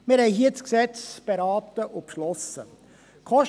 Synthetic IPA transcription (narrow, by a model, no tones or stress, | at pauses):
mɪːɾhɛɪɦiːt͡sksɛt͡sb̥eɾɑːtəʔʊpʃlɔsə̰ | kʰɔʃ